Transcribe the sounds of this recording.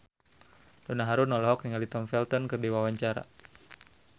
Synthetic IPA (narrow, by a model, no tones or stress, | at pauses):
dɔnaɦaɾunɔlɔɦɔkniŋalit̪ɔmfɛlt̪ɔnkɨrdiwawaɲt͡ʃaɾa̰